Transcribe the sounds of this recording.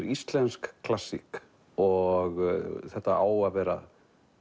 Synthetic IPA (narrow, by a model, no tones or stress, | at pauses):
ɾist̪lɛnskːʰlasːḭk | ɔɣθɛht̪aaːwavɛːɾa̰